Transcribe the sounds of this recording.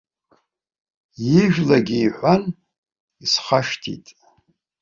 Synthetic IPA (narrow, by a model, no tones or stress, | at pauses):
jɪʒᶣlaɡʲiːħʷan | isχaʂtʰḭtʼ